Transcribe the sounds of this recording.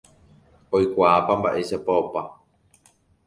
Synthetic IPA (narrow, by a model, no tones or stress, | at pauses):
ojkʷaːpambaʔe̞ʃapaopa